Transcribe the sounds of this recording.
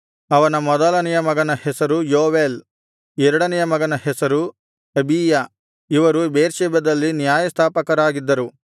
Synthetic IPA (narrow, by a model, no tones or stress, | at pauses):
ɐʋɐnɐmɔd̪ɐlɐnɛjɐmɐɡɐnɐhɛsɐɾujoːʋeːl | ɛɾɐɽɐnɛjɐmɐɡɐnɐhɛsɐɾu | ɐbiːjɐ | iʋɐɾubeːɾʃɛːbɐd̪ɐlːinjaːjɐst̪ʰaːpɐkɐɾaːɡid̪ːɐɾu